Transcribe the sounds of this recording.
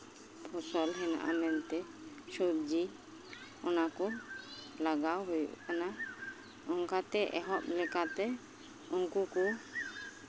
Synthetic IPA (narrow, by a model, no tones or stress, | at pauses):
pʰɔsɔlɦɛna̰ʔa̰mɛnt̪ɛ | subd͡ʒi | ɔnakɔ | laɡawɦujṵʔkana | ɔŋkat̪ɛʔɛɦɔp̚lɛkat̪ɛ | uŋkuku